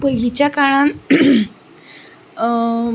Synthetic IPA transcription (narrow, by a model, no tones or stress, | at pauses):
pəɦilit͡ɕjakaɭã